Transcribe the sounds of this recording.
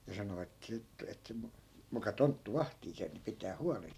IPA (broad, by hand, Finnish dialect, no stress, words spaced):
jɑ sɑno et siːt et si mukɑ tontːu ʋɑhtiː sen̞ jɑ pitæː huɑlen